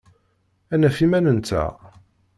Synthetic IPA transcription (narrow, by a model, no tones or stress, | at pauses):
ænæfimænənt͡s̪ːæ̰